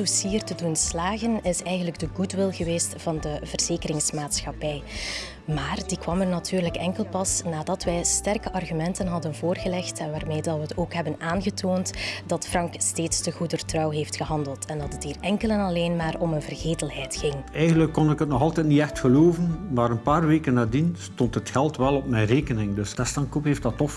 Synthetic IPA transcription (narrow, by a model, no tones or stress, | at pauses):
usiːərtədunslaːɣənɪsɛjɣəndləɡ̚dəɣutʋɪlˠɣəʋeːstv̥ɑndəvərz̥eːkəɾɪŋsmaːtsxɑpɛj | maːrdikwɑmərnɑtʰyːrləkɛŋkəlˠpɑsnaːdɑtʋɛjstɛrkəʔɑrɣymɛntənɦɑdənvoːrɣəlɛxtɛnʋaːrmeːdɑwəɦətoːkɦɛbənaːnɣətʰoːntdɑtfrɑŋksteːtstəɣudərtrɑwɦeːftxəɦɑndəlˠtʰɛndɑtətiːrɛŋkəlɛnɑleːnmaːrɔmənvərɣeːtəlˠɦɛjtxɪŋɛjɣəndləkːɔnɪkɦətnɔxɑlˠtɛjtniɛxtxəloːvənmaːɾənpaːrʋeːkənːaːdinstɔntɦətxɛlˠtʋɛlɔp̚mɛjnreːkənɪŋdɵstɛstɑnkupɦeːf̚dɑtɔf